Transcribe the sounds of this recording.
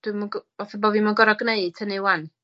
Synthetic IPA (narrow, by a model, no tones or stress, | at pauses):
d̥wɨmuɡɔθəbɔvimunɡɔɾɔɡneɨtʰənewan